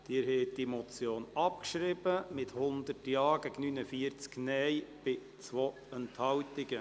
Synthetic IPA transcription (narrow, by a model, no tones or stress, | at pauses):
d̥iːɾhɛːtd̥imɔt͡sjoːnɑp̚kʃɾɪbəmɪthʊnd̪ətjɑːɡɛɡnynəfiəɾt͡sknɛjb̥ɪ | t͡sʋo | ɛnthɑwtɪɡ̥ə